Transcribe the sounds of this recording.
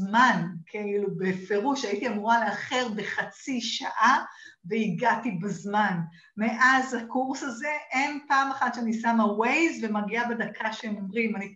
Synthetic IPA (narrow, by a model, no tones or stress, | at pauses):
mankʰeilubefe̞ʁuʃaitiamuʁaleaχe̞ʁbe̞χat͡siʃaʔaveiɡatibazman | me̞ʔazhakuʁsaze̞ʔempaːmaχat̪ʃeanisamawe̞jzvemaɡiabedakʰaʃeemomʁimani